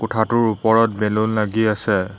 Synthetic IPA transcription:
kʊtʰatʊɹupɔɹɔt̚belʊlnaɡiasɛ

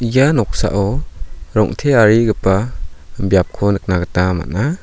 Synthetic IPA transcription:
janɔk̚sa̰ʔɔɾɔŋtʰeaɾiɡɯpabjap̚kʰɔnɯk̚naɡɯtnama̰na

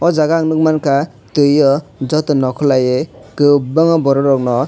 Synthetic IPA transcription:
ɔzaɡaːŋnɯk̚mankʰa | tɯjɔd͡ʒɔt̪ɔnɔkʰɔlajekɯbaŋɔbɔɾɔɾɔk̚nɔ

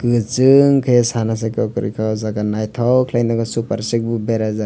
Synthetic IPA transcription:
kɯt͡ʃɯŋkʰajasanas̬akɔkɯɾḭkʰawzaɡanajtʰawkʰlajnaɡasupaɾsek̚bubeɾaza

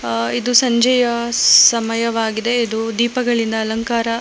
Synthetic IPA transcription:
id̪usɐɲd͡ʒɐjɐsɐmɐjɐʋaːɡid̪e̞id̪ud̪iːpɐɡɐɭind̪ɐːlɐŋkaːɾɐ

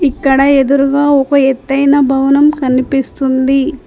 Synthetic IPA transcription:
ikːɐɽɐed̪uɾuɡaːɔkɐet̪ːɐjnɐbʱɐʋɐnɐmkɐnipist̪und̪i

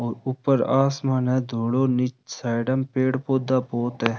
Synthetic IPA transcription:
ɔːɾupːəɾaːsmaːnɛ̃d̪ʱoːɽonɪt͡ʃsaːɖəmpeːɽpoːd̪aboːt̪ɦɛ̃

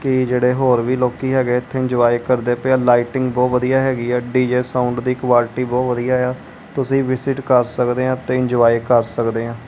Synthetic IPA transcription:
kɪd͡ʒeːɽeːɦoːɾʋiːloːkiːɦɛːɡeːɪt̪ʰːeːɪɲd͡ʒʋaːikəɾd̪eːpeãːlaːɪʈɪ̃ŋɡbɔːʋəd̪ijaːɦɛːɡiːɛːɖiːd͡ʒeːsaːʊɳɖd̪iːɪkʋaːlʈiːbɔːʋəd̪ijaːɦeaː | t̪ʊsĩːʋɪsɪʈkəɾsəkd̪eːãːt̪eːɪ̃ɲd͡ʒoʋaːikəɾsəkd̪eːɦãː

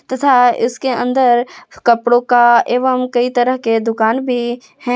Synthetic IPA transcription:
t̪ɐt̪ʰaɪ̰skeə̃nd̪əɾkɐpɽõkaeːʋəmkɐit̪əɾəɦked̪ʊkaːnbʱi | hɛ̃

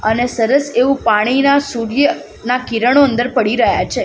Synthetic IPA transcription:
ənesəɾəseʋũpaɽ̃inasuɾjə | nakiɾəɳ̃oə̃nd̪əɾpəɽiɾəɦja̰t͡ʃʰe

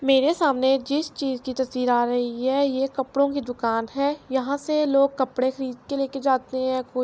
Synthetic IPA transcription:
meːɾesaːmned͡ʒɪst͡ʃiːzkit̪ɐsd̪iːɾaːɾɐɦiɦɛːjekɐpɽõkid̪ʊkaːnɦɛːjɐɦãseloːɡ̚kɐpɽexɐɾiːd̪̚keleːked͡ʒaːt̪eɦɛ̃koː

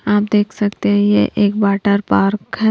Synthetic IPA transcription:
aːpd̪eːkʰsɐkt̪eɦɛ̃jḛʔeːk̚baːʈəɾpaːɾkɦɛ

